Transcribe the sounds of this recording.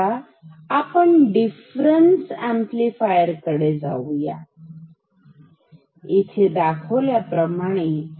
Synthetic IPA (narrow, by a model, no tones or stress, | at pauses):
aː | pəɳɖifɾənsɛmplifajəɾkəɽed͡za̰wja̰ | it̪ʰed̪akʰəʋljapɾəmaɽ̃e